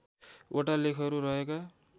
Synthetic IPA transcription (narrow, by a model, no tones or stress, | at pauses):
oʈalekʰʌɾuɾʌɦeka